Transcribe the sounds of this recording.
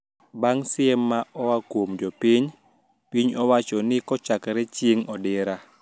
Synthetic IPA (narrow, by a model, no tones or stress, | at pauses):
baŋsɪɛmːaʔɔwakwomd͡ʒɔpiɲ | piɲɔwat͡ʃɔnɪkɔt͡ʃakɾɛt͡ʃjeŋɔdɪɾa